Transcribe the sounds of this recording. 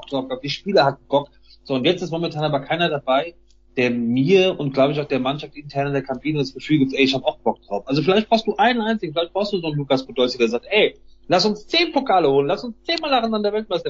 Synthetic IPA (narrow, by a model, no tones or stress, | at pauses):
ktɔkaʊbd̥iːʃpiːlɐhat̚n̩b̥ɔk | z̥oːʊntjɛt͡stɪstmomɛntʰaːnaːbɐkʰaɪnɐdabaɪ | d̥eːɐmiːɐʊntɡ̥laʊbəɪç̬aʊxd̥eːɐmanʃaftʔɪntʰɛɐnədeːɐkʰampʰiːnəʊnd̥asɡ̥əfyːlɡiːp̚tʔɛɪɪçhaːbəaʊxb̥ɔk̚d̥ʁaʊfʔalzofɪlaɪçtb̥aʊstd̥uːʔaɪnənʔaɪnt͡sɪɡŋ̩fɪlaɪçtb̥ʁaʊstd̥uːzoːnluːkasb̥odɔlsədeːɐzaːk̚tʔɛɪlastʊnst͡seːnpokʰaːləhoːlənlastʊnst͡seːnmaːlaʁanandeɐvɛlt̚maɪstɐ